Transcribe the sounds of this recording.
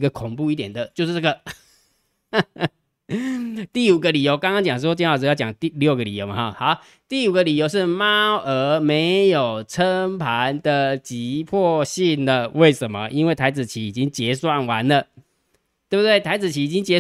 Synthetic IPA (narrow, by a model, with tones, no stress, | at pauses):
ɡə˨kʰʊ˨˩ŋpu˥˧i˥˩t̪jɛ˨˩nd̪ə˦t͡ɕjo˥˧ʊʂ̩˥˧˩a˥˩ɡə˨˩ | t̪i˥˩u˨˩ɡə˦li˨˩jo˧ʊkɑ˥ŋkɑ˥ŋt͡ɕjɑ˨˩ŋʂ̬̩˧˥t͡ɕnwa˥˩˧jt͡ɕjɑ˨˩ŋt̪i˥˧ljo˥˩ʊɡə˨li˨˩jo˨˦ʊmɐ̰˨hɑ̰˨˩xa˧˦ʊ | t̪i˥˩u˨˩ɡə˦li˨˩jo˧ʊʂ̬ɻ̩˥˨ma˥ə˧˥me˧˥ɪjo˨˩ʊt͡sʰə˦˥ŋpʰa˧˦nd̪ə˨t͡ɕi˧˦pʰɔ˥˧ɕi˥˩nlə˨we˥˩ɪʂə˨˦nmə̰˦ʔi˦nwe˥˩ɪt̪ʰa˧˥ɪt͡sɹ̩˨˩t͡ɕʰi˨˥i˨˩t͡ɕi˦˥ŋt͡ɕjɛ˧˥swa˥˩nwa˧˦nlə˨ | t̪we˥˩bt̪we˥˩ɪt̪ʰa˧˥ɪt͡sɹ̩˨˩t͡ɕʰi˧˥i˨t͡ɕi˦˥ŋt͡ɕjɛ˧˦